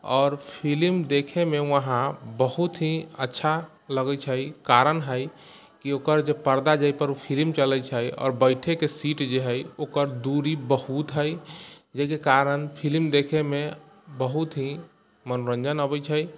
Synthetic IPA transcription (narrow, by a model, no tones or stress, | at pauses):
ɔːɾpʰilmd̪ekʰemeəɦãbəhut̪ɦĩə̰tːʃʰa | ləɡət͡ʃʰəjkaɾənɦəj | kiokəɾd͡ʒepəɾd̪ad͡ʒajpəɾupʰilmt͡ʃəlɛt͡ʃʰəjɔ̰ːɾbəɪʈʰekesiʈd͡ʒeɦəjokəɾd̪uɾibəhut̪ɦəjd͡ʒəkekaɾənpʰilmd̪ekʰeme | bəɦut̪ɦĩ | mənoɾə̃nd͡ʒənəbət͡ʃʰəj